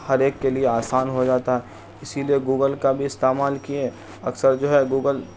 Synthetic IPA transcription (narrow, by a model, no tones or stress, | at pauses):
hɐɾeːkːelieaːsaːnɦod͡ʒaːt̪aɦɛ | ɪsilieɡuːɡəlkabʱiɪst̪eːmaːlkie | ɐksəɾd͡ʒoːɦɛɡuːɡəl